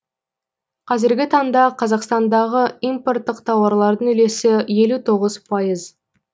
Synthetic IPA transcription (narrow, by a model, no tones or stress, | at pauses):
qʰɑzɪɾɡʲɪt̪ʰɑɴd̪ɑqʰɑzɑqst̪ɑnd̪ɑʁəimpo̞rt̪ːəq̚t̪ʰɑwɑɾlˠɑɾd̪əŋʏle̞sɪje̞lut̪ʰo̞ʁəzpʰɑjəz